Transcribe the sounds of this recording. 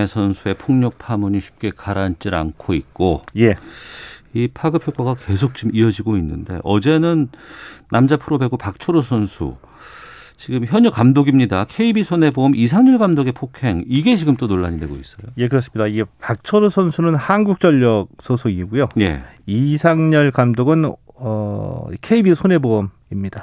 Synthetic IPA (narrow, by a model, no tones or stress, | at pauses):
esʰʌnsʰue̞pʰoŋɲʌk̚pʰamuɲiɕʰi̥p̚k͈e̞kaɾant͡ɕ͈iɾa̰nkʰoit̚k͈oje̞ | ipʰaɡɯpʰjok͈aɡake̞sʰok̚t͡ɕimiʌd͡ʑiɡoinːɯnde̞̰ʔʌ̰d͡ʑe̞nɯnː | amd͡ʑapʰɯɾobe̞ɡopak̚t͡ɕʰʌɾosʰʌnsʰṵ | t͡ɕiɡɯmçjʌɲʌkamdoɡimɲidakʰe̞ibisʰone̞boʌmʔis̬ʰaŋɲʌɭɡamdoɡe̞pʰokʰe̞ŋiɡe̞t͡ɕiɡɯmt͈onoɭːa̰ɲidwe̞̰ɡo̰is͈ʌjoje̞kɯɾʌs͈ɯmɲidaiɡe̞pak̚t͡ɕʰʌɾosʰʌnsʰunɯnhanɡuk̚t͡ɕ͈ʌʎːʌk̚sʰonsʰuiɡujoje̞̰isʰaŋɲʌɭkamdoɡɯn | ʌkʰe̞ibisʰone̞boʌm | imɲida